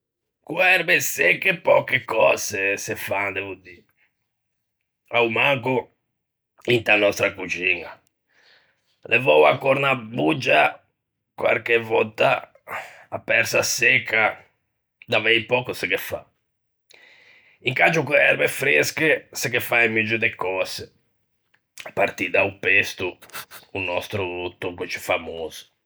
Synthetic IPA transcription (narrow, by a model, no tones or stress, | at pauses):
kuɛɾbesɛkːepɔkːekɔːzesefand̪ɛvud̪i | aumaŋko | int̪anɔst̪ɾakut͡ʃiːna | lɛvɔwa̰kɔɾnabud͡ʒːa | kwa̰ɾkevɔt̪ːa̰ː | pːɛɾsasɛkʰːa | d̪avɛjpɔːkusɛkɛfa̰ | iŋkat͡ʃukɛɛɾmɛfɾeskɛsɛkɛfaɛmid͡ʒud̪ɛkɔsɛ | paɾt̪id̪aupest̪uː | nɔst̪ɾut̪ukut͡ʃi̥famoːzu̥